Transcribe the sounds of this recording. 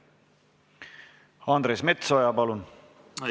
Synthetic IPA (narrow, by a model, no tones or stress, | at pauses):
ɑnd̪ɾesme̞t̪sojɑpɑlun